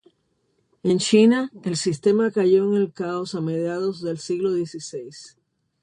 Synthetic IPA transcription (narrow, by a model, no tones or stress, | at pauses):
e̞nt͡ʃinae̞lsist̪e̞makaʝo̞eŋe̞lkao̞same̞ðjaðozðe̞lsiɣlo̞ðje̞sise̞js